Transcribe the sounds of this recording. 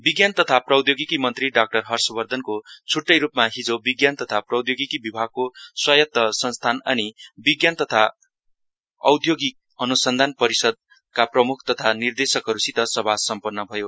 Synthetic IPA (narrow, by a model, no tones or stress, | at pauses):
biɡjant̪ʌt̪ʰaprʌwd̪joɡikimʌnt̪riɖak̚ʈʌrɦʌrsʌbʌrd̪ʱʌnkot͡sʰuʈːʌjɾupmaɦid͡zobiɡjant̪ʌt̪ʰaprʌwd̪joɡikibibʱaɡ̚koswʌjʌt̪ːʌsʌnst̪ʰanʌ̰nibiɡjant̪ʌt̪ʰa | ʌwd̪ʱjoɡi | ʌnusʌnd̪ʱanpʌɾisʌd̪̚ | kaprʌmukʰt̪ʌt̪ʰanird̪esʌkɦʌɾusit̪ʌsʌbʱasʌmpʌrnːʌbʱʌjo